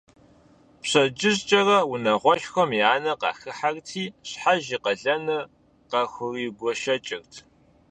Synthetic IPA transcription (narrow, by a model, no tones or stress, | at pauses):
pɕɐd͡ʒʼɪzt͡ʃʼɐrɐwʊnɐʁʷɔʃxʷɐmjaːnɐqɑ̰ːxɨħartʰiːɕħaʒiːqɐɮɐnɨ | qɐxʷʊriːɡʷɔʃɐt͡ʃʼɪrtʰ